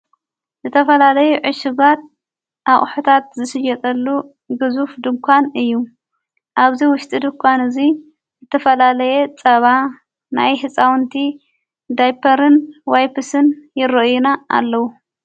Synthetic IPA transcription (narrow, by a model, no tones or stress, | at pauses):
zɨt̪ʰɐfɐlalɐjuʕɨʃɪɡat̪̚ | ʔaχʼħut̪ʰat̪zɨʃɨd͡ʒɐt̪ʼɐlːu | ɡɨzufd̪ɨŋkʷʰanɨjːu | ʔaβziwʊʃt̪ʼid̪ɨŋkʷʰanɨzi | zɨt̪ʰɐfɐlalɐjet͡sʼɐβa | na̰jɦɨt͡sʼawnt̪ʰi | d̪ajpʰɐɾɨnwajpʰɨsɨnjɪrɐʔjuna̰ːlːɐwu